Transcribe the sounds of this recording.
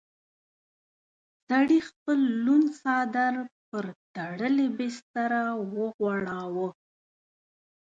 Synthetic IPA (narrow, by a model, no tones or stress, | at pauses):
saɽixpəlːunsɑd̪aɾpəɾt̪aɽəlebest̪aɾawəɣwɑɽawə